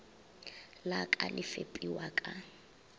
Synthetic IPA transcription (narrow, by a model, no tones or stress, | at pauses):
lakʼalɪfepʼiwakʼa